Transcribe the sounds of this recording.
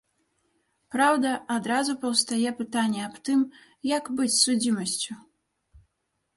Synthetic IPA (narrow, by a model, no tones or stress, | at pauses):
pɾawd̪ɐad̪ɾazupɐwst̪ajɛpɨt̪anʲːɛapt̪ɨm | jɐkbɨt͡sʲsud͡zʲimɐsʲt͡sʲu